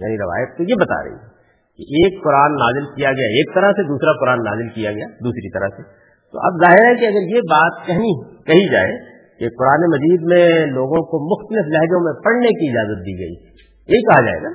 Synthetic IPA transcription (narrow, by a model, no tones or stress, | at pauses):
ja̰ːniɾɐʋa̰ːjət̪̚kojebɐt̪a̰ɾɐ̰ɦḭɛ | keʔeːkːʊɾaːnːaːzɪlkijaɡɐjaeːk̚t̪ɐɾəɦsed̪uːsɾakʊɾaːnːa̰ːzɪlkijaɡɐjaːd̪uːsɾit̪ɐɾə̰ɦse | t̪o̰ʔɐ̰bzaːɦɪɾɦɛkiɐɡəɾjebaːt̪kɛɦnikɐɦid͡ʒa̰ːḛ | kekʊɾaːnemɐziːd̪mẽloːɡõkomʊxt̪əlɪflɛɦd͡ʒõmẽpɐɽnekiɪd͡ʒaːzət̪̚d̪iːɡɐḭ | jɐɦikɐɦad͡ʒa̰ːḛːɡaː